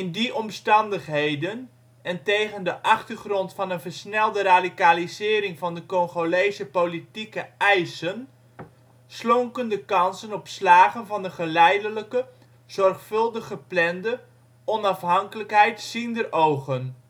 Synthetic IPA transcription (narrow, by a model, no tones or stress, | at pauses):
ɪndiʔɔmstɑndəχɦejdən | ɛntejχəndəʔɑχtəɹχrɔntfɑnənvəɹsnɛlˠdəraːdikaːlizɪːɾɪŋvɑndəkɔŋχolejzəpolitikəɛjsən | slɔŋkəndəkɑnsənɔpslaːχənvɑndəχəlɛjdələkə | z̥ɔrχfɵlˠdəχəplɛndə | ɔnɑfɦɑŋkələkɦɛjtsindərʔowχən